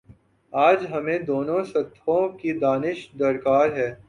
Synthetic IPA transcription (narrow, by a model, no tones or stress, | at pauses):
aːd͡ʒɦɐmẽd̪oːnõsɐt̪ʰõkid̪aːnɪʃd̪ɐɾkaːɾɦɛː